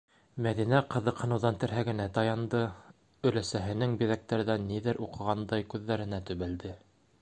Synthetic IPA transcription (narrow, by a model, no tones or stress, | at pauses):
mæðinæqɤ̆ðɤ̆qhɤ̆nɤ̆wðɑnt̪ɘ̆ɾɦæɡɘ̆næt̪ɑjɑnd̪ɤ | ɵ̆læsæɦɘ̆nɘŋbiðæk̚t̪æɾðænːiðɘɾʔuqɤ̆ʁɑnd̪ɑjkʉðːæɾɘ̆næt̪ɵ̆βæld̪ɘ